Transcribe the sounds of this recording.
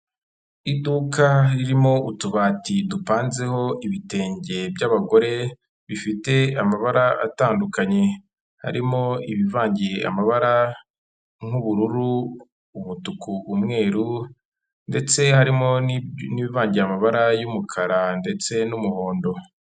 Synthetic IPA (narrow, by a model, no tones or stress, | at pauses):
idukaɾiɾimo̞ʔutuβaːtidupaːnze̞ho̞iβite̞ːɲɟe̞bɟaβaɡo̞ɾe̞ | βifite̞amaβaɾaa̰taːndukaɲe̞ | ha̰ɾimo̞iβivaːɲɟiea̰maβaɾa | ŋ̥uβuɾuɾu | uβutukuʔːmŋe̞ːɾu | nde̞t͡se̞haɾimo̞niβivaːɲɟiɾamaβaɾajumukʰaɾande̞t͡se̞numuho̞ːndo̞